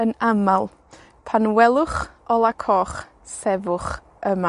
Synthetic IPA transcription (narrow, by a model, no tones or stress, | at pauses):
ənamalˠ | pʰanwɛlˠʊχɔlˠakʰɔːχ | sɛvʊχ | əma